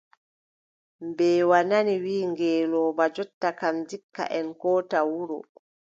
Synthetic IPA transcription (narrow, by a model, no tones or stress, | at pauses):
mbɛːwananiwiːŋɡɛːlɔːbad͡ʒɔtːakamd͡ʒikːa̰ʔɛnkɔːtawuɾɔ̰